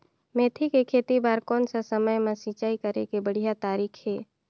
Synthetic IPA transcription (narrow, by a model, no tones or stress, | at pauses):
meːt̪ʰikekʰeːt̪ibaːɾkɔːnsasəməjmẽsit͡ʃaːikəɾekebəɽ̤ijat̪aːɾiːkʰɦɛː